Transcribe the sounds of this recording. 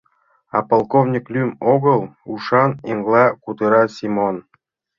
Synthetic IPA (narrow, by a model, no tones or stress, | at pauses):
ɑ̰polˠkovnʲiklʲymoɡɤ̆lˠuʂɑniŋɡlˠɑkud̪ɤɾɑsʲimon